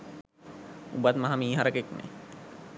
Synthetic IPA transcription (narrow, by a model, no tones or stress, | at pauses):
ṵbat̪maɦamiːɦaɾəkeknḛ